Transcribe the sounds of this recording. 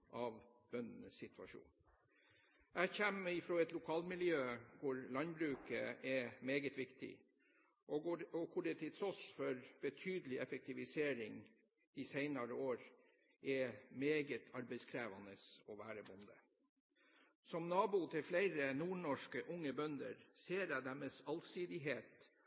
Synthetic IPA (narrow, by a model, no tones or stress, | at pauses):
ʔɑʋ | b̥œnənəsːɪt̪ʰʉɑʂṵːn | æçɛmɪfɾoːɛt̪lʊkʰɑːlmɪljøːkʰʊɾlɑnbɾʉːkəɛmeːɡət̪ʋɪkt̪ʰɪ̰ | ʔɔɔkʰʊɖɛt̪ʰɪt̪ʰɾɔsfɔɾb̥ət̪ʰyːd̪əlɪʔɛfɛk̚t̪ʰɪʋɪseːɾɪŋ | ɪsæɪnɑɾəoːɾ | ʔɛmeːɡət̪ʰɑɾbɛɪskʰɾæːʋɑnəsɔʋæːɾəbʊnd̪ə | sɔmnɑːbʊt̪ʰɪlflæɪɾənuːɳɔʂkəʔʊŋːəbœnd̪ə̰ɾseːɾæɪd̪æmɛsɑlsiːd̪ɪɦeːt̪